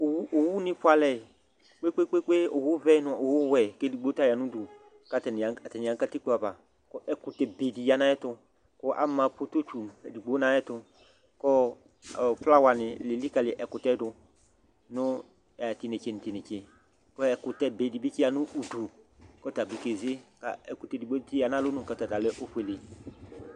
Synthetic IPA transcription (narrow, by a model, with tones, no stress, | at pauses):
ʊ˨wʔʊ˨wʊ˦nɪ̃˦pʊ˦a˨lɛ˨ | k͡pe˦k͡pe˦k͡pe˦k͡pe˦ʊ˨wʊ˦vɛ˦nʊ˨˦˨ʊ˨wʊ˦wɛ˨ke˦di˨ɡ͡bo˦ta˦ja˨nʊ̃˦du˨ | ka˦tn˨a˨tɛ˨nɪ˨a˨ŋ˦ka˦ti˦k͡po˨˦a˨ba˨ | kɔ˦ʔɛ˦kʊ˨tɛ˨be˨di˨ja˨˦na˦ɛ˦tʊ˧ | kɔ˦ʔa̰˦mã˨po˦to˦t͡ʃu˨di˨ɡ͡bo˨˦na˨jɛ˦tʊ˧ | kɔ˦˨ | fla˦wa˨nɪ˨lɪ˨li˦ka˨lɪ˨ʔɛ˨kʊ˨tɛ˦dʊ˧ | nʊ˦˨ | tɪ˨nɪ˨t͡ʃe˨nɪ˨tɪ˨nɪ˨t͡ʃe˨ | kɔ˦ɛ˨kʊ˨tɛ˦be˨di˨bi˦kɪ˦a˨nʊ˦ʔu˨du˨ | kɔ˦ta˨bi˨ke˨zɪ˦ka̰˨ɛ˨kʊ˨te˨di˨ɡ͡bo˦tɪ˦a˨nã˦lʊ˦nʊ̃˦˨ka˦˨ta˨ta˨lɛ˦ʔʊ˦fe˨lɪ˨